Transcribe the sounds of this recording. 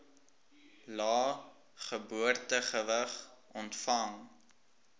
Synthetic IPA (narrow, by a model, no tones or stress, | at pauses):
lɑː | χəbuərtəχəvəχʔɔntfɐŋ